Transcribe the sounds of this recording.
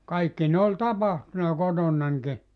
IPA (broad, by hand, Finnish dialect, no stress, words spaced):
kɑikːi ne olʲ tɑpɑhtunɑ kotonːɑnki